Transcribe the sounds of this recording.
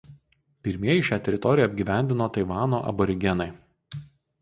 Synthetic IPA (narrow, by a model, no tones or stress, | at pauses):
pʲɪɾʲmʲiɛjɪʃʲæːt̪ʲɛɾʲɪt̪ɔɾʲɪjɛɐbʲɡʲiːʋʲæˑnʲd̪ʲɪnoːt̪ɐɪʋɑːnoːʔɐ̰bɔɾʲɪɡʲɛnɐɪ